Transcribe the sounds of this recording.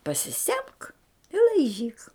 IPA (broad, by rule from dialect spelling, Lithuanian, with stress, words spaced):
pɐsʲɪˈsʲɛmk ɪ lˠɐɪˈʒʲiːk